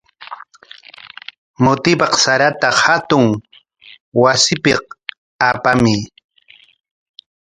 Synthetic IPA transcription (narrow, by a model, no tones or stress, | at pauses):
mʊt̪ɪpɑqsaɾat̪ahat̪ʊŋ | wasɪpɪq | apamɪ